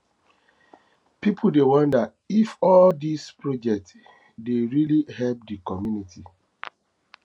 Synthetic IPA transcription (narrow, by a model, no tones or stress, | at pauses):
pip̩ʰdewɔ̃ndat | ifɔldispɹɔd͡ʒɛk̚t | deɹilihɛlp̚dikɔmjunitʰi